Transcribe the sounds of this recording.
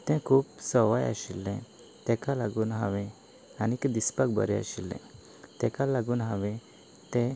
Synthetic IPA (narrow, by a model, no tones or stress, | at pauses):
t̪ɛ̃kʰuːpsɔʋaja̰ɕilːɛ̃ | t̪ɛ̃kalaɡuːnɦaʋɛ̃ | anikd̪ispak̚bə̰ɾɛa̰ɕilːɛ̰̃ | t̪ɛkalaɡuːnɦaʋɛ̃ | t̪ɛ̃